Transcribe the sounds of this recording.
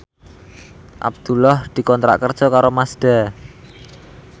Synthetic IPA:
ʔa̰b̚d̪̥ulɔhd̪̥i̤kɔnt̪ɾa̰ʔkərd̥ʒ̥ɔ̤kaɾomasd̪̥a̤

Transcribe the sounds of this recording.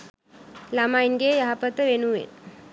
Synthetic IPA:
lamajnɡejaɦapət̪əʋenuʋḛn

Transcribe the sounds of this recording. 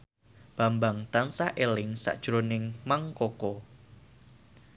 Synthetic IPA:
b̥a̤mbaŋt̪ansaʔelɪŋsa̰ʔd̥ʒ̥ɾonɪŋmaŋkokɔ

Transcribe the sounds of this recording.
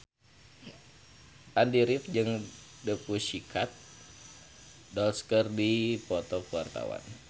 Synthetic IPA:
ʔandiɾifd͡ʒɨŋ | dəpusikʰat̪̚ | dɔlskərdipɔt̪ɔkuwart̪a̰wa̰n

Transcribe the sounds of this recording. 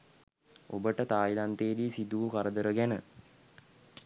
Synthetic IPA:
o̰bəʈət̪aːilant̪eːdiːsid̪uːkaɾəd̪əɾəɡænə

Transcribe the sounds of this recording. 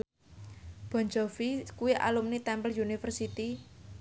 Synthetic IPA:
b̥ɔ̤ɲd͡ʒofikuiʔa̰lumnit̪ɛmpəljunifərsit̪i

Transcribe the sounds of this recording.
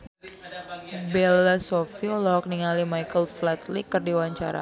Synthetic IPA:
bɛlːasofiolɔɔk̚niŋalimajkəlflɛt̪likərdiwaɲt͡ʃa̰ɾa̰

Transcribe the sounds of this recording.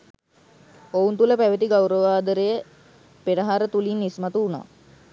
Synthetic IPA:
ount̪uləpæʋət̪iɡawɾəʋaːd̪əɾəjə | peɖəɦaɾət̪ulinːismat̪uːna̰ː

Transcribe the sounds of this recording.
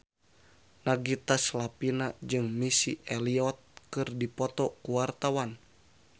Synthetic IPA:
naɡit̪aslapinad͡ʒɨŋmisḭɛliɔt̪̚kɨrdipɔt̪ɔkuwart̪awan

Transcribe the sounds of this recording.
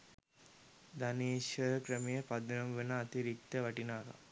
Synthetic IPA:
d̪ɐniːʃɐkɾɐmejɐpɐd̪ɐnɐmʋenɐːt̪iɾik̚t̪ɐʋɐʈinaːɡɐ̰

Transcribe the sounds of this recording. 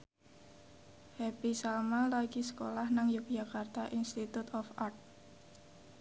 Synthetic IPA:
hɛpisalmalaɡisə̥kolahnaŋjuk̚d͡ʒakart̪aʔinst̪it̪ut̪ɔfart̪̚

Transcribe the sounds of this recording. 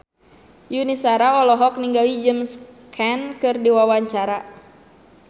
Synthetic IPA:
junisaɾaɔlɔɦɔk̚niŋɡalid͡ʒəmskʰɛnkɨrdiwawaɲt͡ʃaɾa

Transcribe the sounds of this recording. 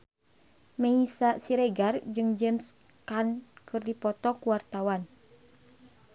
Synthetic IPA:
meisasiɾɛɡard͡ʒɨŋd͡ʒɛms | kankɨrdipɔt̪ɔkuwart̪awan

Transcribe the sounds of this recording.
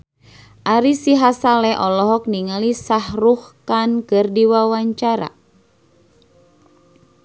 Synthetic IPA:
ʔaɾisiɦasalɛʔɔlɔɦɔk̚niŋalisahruhkankɨrdiwawaɲt͡ʃaɾa̰

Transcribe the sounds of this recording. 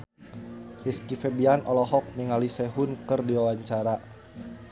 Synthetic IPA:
ʔiskifɛbianɔlɔɦɔk̚miŋalisɛɦʊnkɨrdiwawaɲt͡ʃaɾa

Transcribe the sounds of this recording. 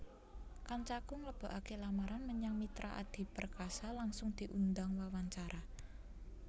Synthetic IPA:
kant͡ʃakʊŋləb̥ɔ̤ʔakelamaɾanməɲaŋmit̪ɾʔaʔa̰d̪̥i̤pərkasalaŋsʊŋd̪̥i̤ʔund̪aŋwawaɲt͡ʃaɾʔa

